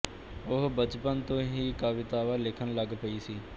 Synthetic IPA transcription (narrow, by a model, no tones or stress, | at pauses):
ʊɦbət͡ʃpənt̪õːɦiːkaʋɪt̪aːʋaːlɪkʰənləɡpəiːsiː